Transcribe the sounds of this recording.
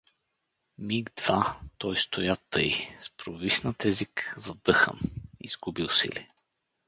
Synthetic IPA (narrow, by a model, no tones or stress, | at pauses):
miɡd̪vat̪ɔjst̪ojat̪ɤjspɾovisnət̪ɛzikzɐd̪ɤxə̰nḭz̥ɡubilˠsḭlḭ